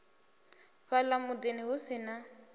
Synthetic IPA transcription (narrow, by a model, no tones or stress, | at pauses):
ɸalamʊdenɪɦʊsɪna